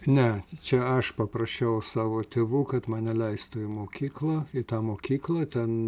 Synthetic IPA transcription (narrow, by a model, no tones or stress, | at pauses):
nʲɛt͡ʃʲɛɐʃpɐpɾɐʃʲɛʊsɑːʋoːt̪ʲeːʋuːkɐt̪mɐnnʲɛlʲɛɪst̪ʊːɪmoːkʲiːklˠɐɪt̪ɑːmoːkʲiːklˠɐt̪ʲɛn